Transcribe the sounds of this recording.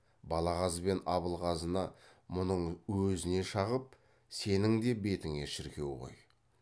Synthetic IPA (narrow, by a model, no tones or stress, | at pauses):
bɑlˠɑʁɑzbe̞nɑβəlˠʁɑzənɑmʊnəɴwɵzɪne̞ʃɑʁəp̚ | se̞nɪŋd̪e̞be̞t̪ɪŋe̞ʃɪɾkʲe̞wʁo̞̰j